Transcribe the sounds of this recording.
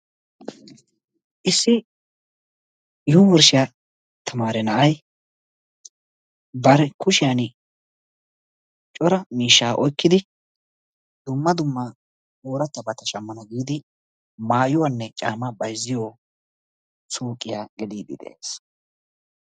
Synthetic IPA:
ʔɪsːɪ | jʊmɔɾʃɪja | t̪ʰɐmaːɾɛnɐʔɐj | bɐɾɛkʊʃɪjan | t͡ʃʼɔɾɐmiːʃːaːʔɔjkːɪd̪ɪ | d̪ʊmːɐd̪ʊmːɐ | oːɾɐt̪ːɐbɐt̪ːɐʃɐmːɐnɐɡiːd̪ɪ | maːjʊwanːɛt͡ʃʼaːmabɐjzːɪjoː | suːkʼːɪjaːɡɛd̪iːd̪ɪ̰d̪ɛ̰ʔḛːs

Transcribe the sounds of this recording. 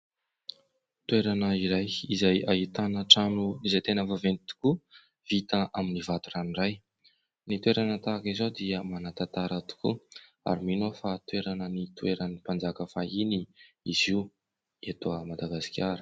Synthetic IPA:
t̪ueɾanəiɾajizajaɦit̪anəʈ͡ʂanuizajt̪enəvavenit̪u̥ku | vit̪əʔaminivat̪uraniraj | nit̪ueɾanət̪akizod̪iəmanat̪at̪aɾat̪u̥kṵ | a̰ɾiminofat̪weɾanənit̪ueɾənipand͡zakəfaini | iziw | et̪oəmad̪aɡasi̥kʲaɾə̥

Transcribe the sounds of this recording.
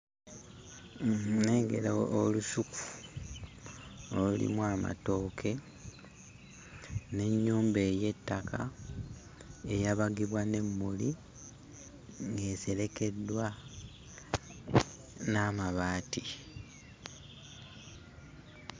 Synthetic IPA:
neːŋɡe̞̰laolusuku̥ | olulḭmwaːma̰to̞ːkʰe̞ | ne̞ɲːuːmbe̞ːje̞tːakʰa̰ | e̞jaβaɡiβwane̞mːuli | ŋɡe̞ːse̞le̞ke̞dːwa | naːmaβaːti

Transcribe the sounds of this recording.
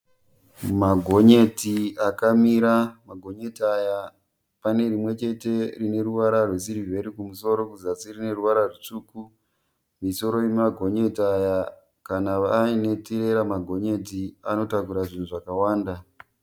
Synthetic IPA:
maɡʱo̞ɲe̞tiakamiɾamaɡʱo̞ɲe̞taja | pane̞rimwe̞t͡ʃe̞te̞rine̞ɾuʋaɾarwesiɾivʱe̞ɾikumuso̞ɾo̞kuzasirine̞ruʋaɾarut͡ʂuːku | miso̞ɾo̞jemaɡʱo̞ɲe̞taja | kanaʋaːine̞tiɾe̞ɾamaɡʱo̞ɲe̞tiano̞takuɾaʐin̤uʐakawaːnda

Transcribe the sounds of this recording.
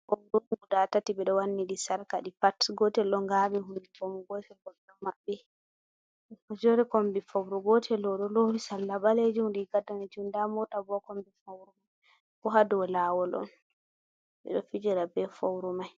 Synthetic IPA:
kɔɗuɡudatatibɛɗɔwanːiɗisaɾkaɗipatɡɔtɛlɗɔŋɡamiɦundiɡɔmuɡɔtɛlkɔbɛɗɔmabːɛ | kɔd͡ʒɔɾɛkombifowɾuɡɔtʰɛlɔɗɔlowisalːabaled͡ʒumdikadanɛd͡ʒumdamɔtabɔkombifawɾumaj | kɔɦadɔlawɔlɔ̰n | ɓɛ̰ɗɔfid͡ʒiɾabɛfowɾumaj

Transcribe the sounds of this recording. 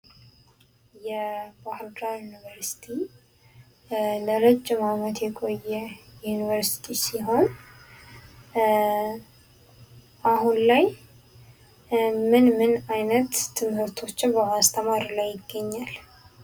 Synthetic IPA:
jɛbahɨɾd̪ajunivəɾsi̥t̪ʰi | ləlɨd͡ʒːɪmamət̪jɛkʼo̞jːɛjunivəɾsi̥t̪ʰisiɦo̞n | ʔaɦunlaj | mɨnmɨnajnət̪ːʰɨmhɨɾt̪ʰo̞t͡ʃːɪnbəmast̪ʰəmaɾilajːɪɡːəɲːal

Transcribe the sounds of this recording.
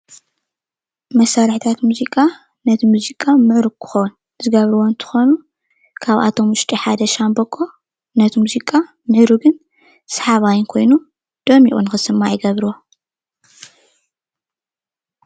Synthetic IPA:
mɐsːaɾħit̪ʰat̪muzikʼa | nɐt̪ʰimuzikʼamɨʕɾukʰɨ̥xown | zɨɡɐβɾɨwont̪ʰɨ̥xonu | kʰaβʔa̰t̪ʰo̞mwʊʃt̪ʼiħad̪ɐʃambɐkʼːo̞ | nɐt̪ʰimuzikʼa | mɨʕɾuɡɨn | sħaβajɪnkʰo̞jnu | d̪̥ɐmiʔʼṵnɨxɨsɨmːajɪɡɐβɾuwo

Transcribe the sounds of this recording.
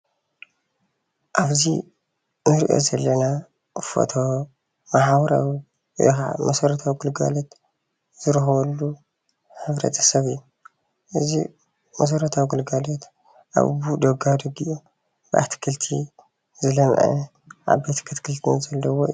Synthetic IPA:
ʔaβzi | nɨɾʔo̰zɐlːɐna | fo̰t̪ʰo | maħawɐɾawḭ | ʔɛ̰xa̰mɐsɐɾɐt̪ʰawiɡulɡa̰lot̪ | z̥ɨɾɨxɐβɐlːu | ħɨβɾɐ̰t̪ʰɐ̥sɐβɨjːu | ʔɨzḭ | mɐs̬ɐɾɐt̪ʰawiɡulɡalot̪ | ʔa̰βbud̪ɐɡad̪ɐɡiʔu | bɨʔa̰t̪ʰɨ̥kʰɨlt̪ʰi | zɨlɐmʕɛ̰ | ʕa̰bet̪ʰkʰɨt̪kʰɨlt̪ʰnzɐlːɐwo

